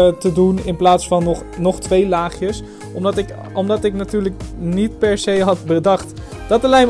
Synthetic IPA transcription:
tədunɪnplaːtsfɑnɔχnɔχtʋejlaːχjəs | ɔmdɑtɪk | ɔmdɑtɪknatyːɹləknit̚pɛɹsejɦɑtbədɑχt | d̥ɑtəlɛjm

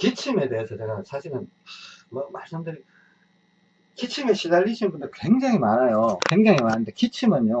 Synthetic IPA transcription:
kit͡ɕʰime̞de̞esʰʌt͡ɕe̞ɡasʰaɕʰiɾɯn | mʌmaɭs͈ɯmdɯɾi | kit͡ɕʰimeɕʰizaʎːiɕʰinbundɯɭkwe̞ŋd͡ʑaŋimanajokwe̞ŋd͡ʑaŋimanɯnde̞kit͡ɕʰimɯno

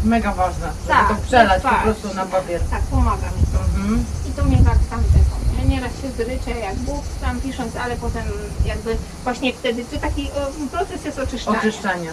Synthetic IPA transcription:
mɛɡavaʐnɛt̪at̪ɔpʂɛlat͡ɕpppɾɔst̪unapapʲjɛɾt̪ak̚pɔmaɡa̰mʲit̪ɔmɦm̩it̪ɔmʲɛkakt̪amt̪ɛfɔ̰mɲɛɲɛɾasɕɛzlɘt͡ʂɛjaɡbukt̪ampʲiʂɔnt̪salɛpɔt̪ɛmjaɡbɘ | vwaɕɲɛft̪ɛd̪ɘt͡ʂɨt̪akʲiɔpɾɔt̪sɛsjɛst̪ɔt͡ʂɨʃʂɔaɲɨʂt͡ʂaɲɛ

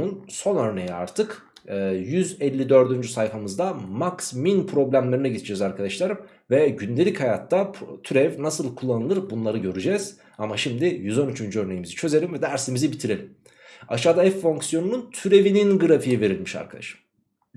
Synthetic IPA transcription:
unso̞nø̞ɾne̞jia̰ɾt̪ʰɯkː | jyzɛlʲːid̪ø̞ɾd̪ynd͡ʒysajfamɯzd̪amaksminpʰɾo̞blʲæmlʲeɾinɛɟid̪ʰid͡ʒɛzaɾkʰad̪aʃlˠaɾ | vɛɟynd̪e̞lʲichajat̪ːat̪ʰyɾɛvnasɯlˠkʰulˠːanɯlˠɯɾbunlˠaɾɯɟø̞ɾyd͡ʒɛz̥ | amaʃimd̪ijyzo̞nyt͡ʃʰynd͡ʒyø̞ɾne̞jimizit͡ʃʰø̞ze̞lʲimvɛd̪æɾsimizibit̪ʰiɾe̞lʲim | a̰ʃaːd̪aɛfːo̞ŋksjo̞nununt̪ʰyɾe̞vininɡɯɾafijive̞ɾilʲmiʃa̰ɾkʰad̪a̰ʃɯ̥m

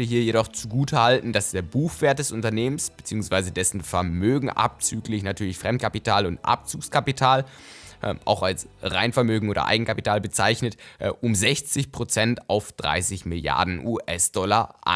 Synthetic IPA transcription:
əɦiːɐjeɾɔχt͡suɡuːtʰəhaltn̩d̥asd̥eːɐbuːxv̥eːɐt̚d̥ɛsʊntɐneːmənsb̥ət͡siːʊŋsv̥aɪzədɛsn̩fɛɐmøːɡŋ̩ʔa̰p̚t͡syːklɪçnatʰyːɐlɪçfʁ̥ɛmt̚kʰapitʰaːlʊntʔa̰p̚t͡suːkskʰapitʰaːl | ʔʔa̰ʊxalsʁa̰ɪnfɛɐmøːɡŋ̩oːdɐ̰ʔa̰ɪɡŋ̩kʰapitʰaːlbət͡saɪçnətʔʔʊmzɛçt͡sɪçpʁ̥ot͡sɛnta̰ʊfd̥ʁa̰ɪsɪçmɪlja̰ɐdn̩ʔuːʔɛsd̥ɔlaʔa̰

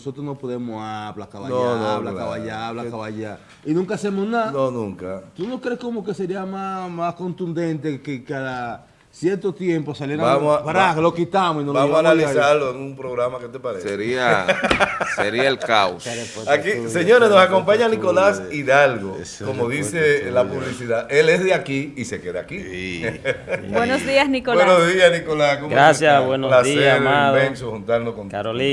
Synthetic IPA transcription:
osot̪ɾosnopoðe̞mosaβlakaβanooaβlakaβaʎaβlakaβaʎa | inũŋkasemosnaðnonũŋkat̪unoskɾeskomoke̞seɾiamamasko̞nt̪und̪e̞nt̪ekekaða | sjeɾt̪ot̪je̞mposaleɾaammosaβaɾaklokit̪amosinobamosanalisaɾloeŋumpɾoɣɾamaket̪epaɾeseɾia | seɾiaelkawsakise̞ɲoɾesnosako̞mpaɲaniko̞lasiðalɣo | komoðise̞lapuβlisiðaʔele̞sðeakiise̞ke̞ða̰ːki | bwenosðiasnikowenosðiasnikolaskomɾasjawenlaeɾmẽŋsohunt̪aɾnoskonaɾl

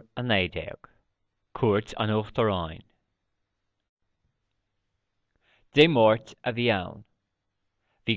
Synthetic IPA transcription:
ənɛːdɛ̰ɡ̥ | kʰuːɹtʰa̰noːxt̪əɹajn | d̥eːmɔɹtəviːa̰wn | viː

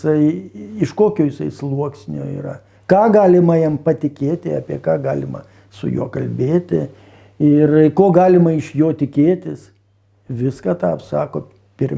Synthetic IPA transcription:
sɐɪɪʃkoːkʲoːjɪsɐɪslˠuɔksʲnʲo̰ːḭːɾɐ̰ | kɑːɡɑːlʲɪmɐjɛmpɐt̪ʲɪkʲeːt̪ʲɪɑ̰ːpʲiɛkɑːɡɑːlʲɪmɐ̰ | sʊ̰jṵɔkɐlʲbʲeːt̪ʲɪ | ɪrkoːɡɑːlʲɪmɐɪʃjoːt̪ʲɪkʲeːt̪ʲɪs | ʋʲɪskɑt̪ɑpsɑːkoː | pʲɪrʲ

